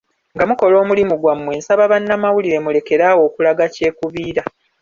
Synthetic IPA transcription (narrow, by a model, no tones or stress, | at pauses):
ŋɡamuko̞lo̞ːmulimuɡwamːwe̞ːnsaβaβanːamawuliɾe̞mule̞ke̞ɾawo̞ːkulaɡace̞ːkuβiːɾa